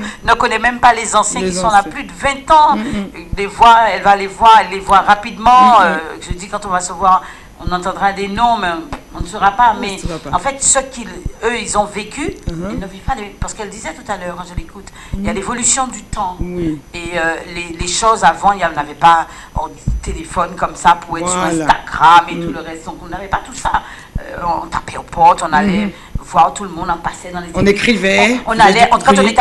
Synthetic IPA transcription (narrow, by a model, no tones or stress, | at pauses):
nəkɔnɛmɛ̃mpalezɑ̃sjɛ̃kisɔ̃laplyd̪əvɛ̃t̪ɑ̃levwaɛlvalevwaʁɛlːevwaʁapid̪mɑ̃øʒəd̪ikɑ̃t̪ɔ̃vasəvwaʁ | ɔ̰̃nɑ̃t̪ɑ̃d̪ʁad̪enɔ̃mɛɔ̃nəsəʁapamɛɑ̰̃fɛt̪səkiløilzɔ̃vekʰʲyɛlnəvipalepaʁsə̥kɛld̪izɛt̪ut̪alœʁkɑ̃ʒəlekut̪ | iljalevɔlysjɔ̃d̪yt̪ɑ̃eøleleʃozavɑ̃ilaɔ̃navɛpa | o̰ | t̪elefɔnkɔmsapuʁɛtsyʁɛ̃st̪aɡʁamet̪uləʁɛst̪̚d̪ɔ̃kɔ̃navɛpat̪usa | ø̰ɔ̃ɔ̰̃t̪apɛopʰɔʁt̪ɔ̃nalɛ | vwaʁt̪uləmɔ̃d̪ɑ̃pasɛd̪ɑ̃lez̃nekχivɛɔ̃nalɛɑ̃t̪ukɑ̃t̪ɔ̃net̪ɛ